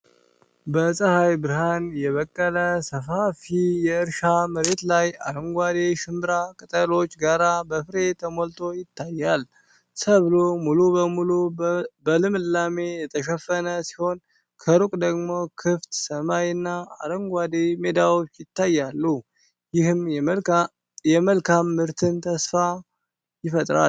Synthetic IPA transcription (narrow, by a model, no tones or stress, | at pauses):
bəsʼəhajbɨɾhanjɛβəkʼːələsəfafijɛɨɾʃaməɾe̞t̪laja̰ɾəŋɡʷad̪eʃɨmbɾakʼɨt̪ʼəlo̞t͡ʃːɡaɾabəfɨɾe̞t̪ʰəmolt̪ʼʰo̞jɪt̪ʰːajːal | səβlomulubəmulubəlɨmlːame̞jɛt̪ʰəʃəfənəsi̥ho̞n | kʰəɾukʼd̪əɡmo̞kʰɨft̪səmajɨnːaa̰ɾəŋɡʷad̪eme̞d̪awot͡ʃːjɪt̪ːajːalːu | jɪhɨm | jɛməlkʰamːɨɾt̪ʰɨnt̪ʰəsfa | jɪfət̪ʼɾa̰